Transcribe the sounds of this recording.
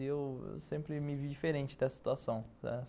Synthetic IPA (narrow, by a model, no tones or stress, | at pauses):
ɪewḛwsẽmpɾɪmɪvid͡ʒifeɾẽnt͡ʃɪd̪ɛsɐsi̥t̪uasɐ̃w̃ɛ̰